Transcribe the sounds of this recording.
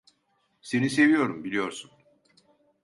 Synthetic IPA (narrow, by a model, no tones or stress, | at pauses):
se̞nise̞vijo̞ɾumbilʲijo̞ɾsun